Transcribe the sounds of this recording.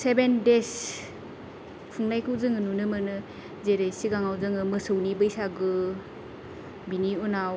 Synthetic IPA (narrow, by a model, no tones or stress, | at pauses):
sebendes | pʰuŋnajkʰɯwzɯŋɯnunɯmɯnɯ | zeɾejsiɡaŋawzɯŋɯmɯsɯwnibɯjsaɡɯ | biniɔnaw